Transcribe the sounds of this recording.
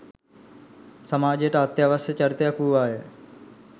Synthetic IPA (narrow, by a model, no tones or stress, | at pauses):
səmaːd͡ʑeʈaːt̪jaːʋəsjət͡ʃəɾt̪jakuːaːɦeː